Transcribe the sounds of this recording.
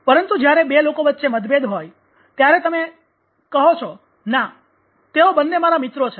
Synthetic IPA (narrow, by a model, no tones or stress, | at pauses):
pəɾənt̪ud͡ʒjaɾebelokoʋətːʃeməd̪bed̪ɦoj | t̪jaɾet̪əme | kəɦot͡ʃʰɔ | na | t̪eobənːemaɾamɪt̪ɾot͡ʃʰe